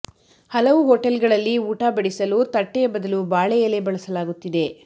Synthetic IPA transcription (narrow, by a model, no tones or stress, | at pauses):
hɐlɐʋuɦoːʈɐlɡɐɭɐlːiuːʈaːbɐɽisɐlut̪ɐʈːɛjɐbɐd̪ɐlubaːɭɛjɐlebɐɭɐsɐlaːɡut̪ːid̪e̞